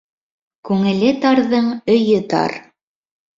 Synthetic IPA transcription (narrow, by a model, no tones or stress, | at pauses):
kʉŋɘ̆lɘt̪ɑɾðɤɴɵ̆jɘt̪ɑ̰ɾ